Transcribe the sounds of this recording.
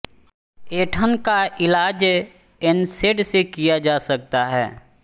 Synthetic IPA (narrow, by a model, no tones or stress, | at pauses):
eːʈʰənkaʔɪlaːd͡ʒ | ɪnseɖsekijad͡ʒaːsɐk̚t̪aɦɛ̰ː